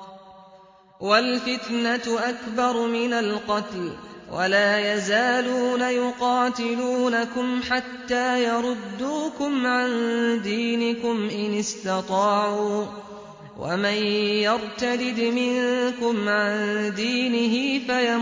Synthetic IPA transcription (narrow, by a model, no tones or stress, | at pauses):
walfɪt̪naʔakbɑɾˤmɪnalqɑt̪lwʔa̰laːjazaːluːnajʊqɑːt̪ɪluːnakʊmħat̪ːaːjɑɾˤʊd̪ːuːkʊmʕand̪iːnɪkʊmʔɪnɪst̪ɑt̪ˤɑːʕuː | wa̰manjɑɾˤt̪ad̪ɪd̪mɪŋkʊmʕand̪iːnɪɦɪfaja